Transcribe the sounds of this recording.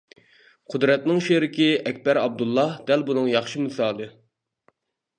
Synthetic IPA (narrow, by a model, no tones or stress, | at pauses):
qʰʊd̪ɾɛt̪nɪŋʃeɾɪkʲiʔɛkʲbɛɾɑb̚d̪ulˠːɑhd̪̥ælbunɨŋjɑχʃɨmɨsɑːlˠɨ